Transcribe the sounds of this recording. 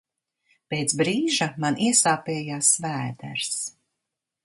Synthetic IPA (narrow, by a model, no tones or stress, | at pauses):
peːt̪sbɾiːʒamanʔiɛsaːpɛːjaːsvæːd̪æ̰ɾs